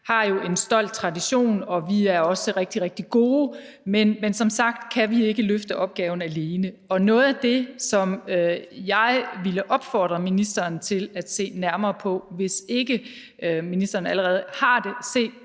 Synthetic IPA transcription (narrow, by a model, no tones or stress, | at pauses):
hɑ̈jo̝e̝nsd̥ɒ̽l̰d̥̚t͡sʰʁɑ̈diɕo̝̰ːnɒ̽ʋiæɐɒ̽səʁɛɡ̥̚d̥iʁɛɡ̥̚d̥iɡ̥o̝ː | menmensɒ̽msɑ̈ɡ̥d̥kʰæʋie̝ɡ̥əløfd̥əʔɒ̽b̥̚ɡ̥ɛːʊn̩æle̝ːnə | ɒ̽nɔ̽ːð̞̩ˠæd̥e̝sɒ̽møjɑ̈ɪʋiləʔɒ̽b̥fɒːd̥ʁɐminisd̥ɐːnt͡sʰe̝læd̥se̝̰ːnæɐmɐːpʰɒ̽ʋe̝se̝ɡ̥ə | minisd̥ɐːnæləʁɛːð̞̩ˠhɑ̈d̥e̝se̝̰ːd̥